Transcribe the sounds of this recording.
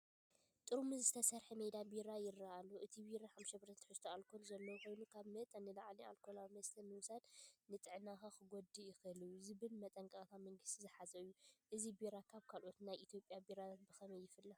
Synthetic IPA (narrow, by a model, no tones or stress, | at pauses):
t̪ʼɨɾumɨzɨt̪ʰɐsɐɾħemejd̪abiɾajɪrːaʔalːoʔɨt̪ʰibiɾaħamʃɐbɨɾt̪ʰɐt̪ʰɨ̥ħɨst̪ʰoalkʰolzɐlːɐwko̞jnukʰaβmɐt̪ʼɐnɨlaʕlia̰lkʰolawmɐst̪ʰɐnɨwsad̪nɨt̪ʼɨʕɨnaxaxɨɡod̪ɨjɪxɨɨlɨjːuzɨβɨlmɐt̪ʼɐŋkʼat̪ʰamɐŋɡɨst̪ʰizɨħazɐɨjːuʔɨzibiɾakʰaβkʰalʔo̞t̪najʔit̪ʰjo̞pʼjabiɾat̪ʰat̪̚bɨxɐmɐjːɪfɨlːa